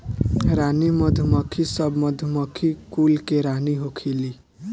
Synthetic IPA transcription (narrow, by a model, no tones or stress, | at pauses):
ɾanimʌd̪ʱumʌkʰisʌbʱmʌd̪ʱumʌkʰikulkeɾaniɦokʰili